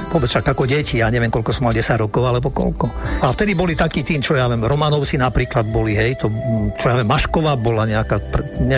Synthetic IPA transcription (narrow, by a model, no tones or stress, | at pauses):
ʋʊɔbɛt͡sʃakakɔɟɛcijaːɲɛʋɪɛmkɔlkɔsɔmalɟɛsaɟɾɔkɔʊalɛbɔkɔ̰lkɔaft̪ɛd̪ibɔlit̪akiːt̪iːnt͡ʃɔjaʋɪɛmɾɔmanɔʊsinapɾiːklad̪̚bɔliɦɛjt̪ɔt͡ʃɔjaʋɪɛmːaʃkɔʋaːbɔlaɲɛakapɾɛɲɛ